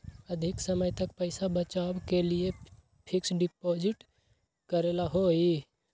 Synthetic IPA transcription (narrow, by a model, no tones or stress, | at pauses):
əd̪ʱɪksəməjt̪ək̚pəɪsabət͡ʃabkelie | pʰɪksɖɪpoːd͡ʒɪʈ | kəɾelaɦoi